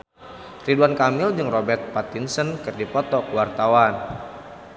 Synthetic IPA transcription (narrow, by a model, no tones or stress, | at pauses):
riduankamɪld͡ʒɨŋrɔbɛrt̪̚pat̪insənkɨrdipɔt̪ɔkəwart̪awan